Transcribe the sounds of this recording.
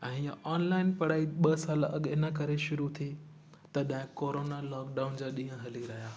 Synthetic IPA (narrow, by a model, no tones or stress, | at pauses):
ɛ̃ːjaʔɔːnlaːɪnpɐɽaːiɓɐsaːlɐɠɪnəkɐɾeʃʊɾut̪ʰi | t̪ɐɗɦɪ̃koːɾoːnalɔːkɖaːʊnd͡ʑaːɗĩːɦə̃ɦɐliɾɐɦijaː